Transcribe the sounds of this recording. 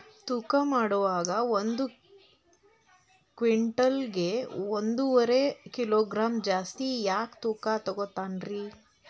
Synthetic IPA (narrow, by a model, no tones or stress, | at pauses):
t̪uːkamaːɽuʋaːɡɐond̪u | kʋiɳʈɐlɡeond̪uʋɐɾe̞kiloːɡɾaːmd͡ʒaːst̪ijaːkt̪uːkat̪ɔɡot̪ːaːnɾi